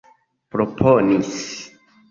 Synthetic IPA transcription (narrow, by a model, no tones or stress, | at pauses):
pɾopʰonis